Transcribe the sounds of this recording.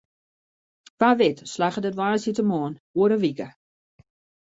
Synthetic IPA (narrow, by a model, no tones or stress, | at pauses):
ʋaʋɪtslaxədətʋaːsitəmɔːnuəɾəʋikə